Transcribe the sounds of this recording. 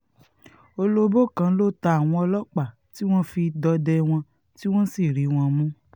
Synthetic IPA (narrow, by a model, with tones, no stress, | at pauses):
o˧lo˦bo˦˨kã˧˦lo˦ta˧a˨w̃ɔ̃˧ɔ˧lɔ˦k͡pa˦˨ | ti˦w̃ɔ̃˦fi˧dɔ˧dɛ˦w̃ɔ̃˧ | ti˦w̃ɔ̃˦si˦˨ɾi˨˦w̃ɔ̃˧mũ˦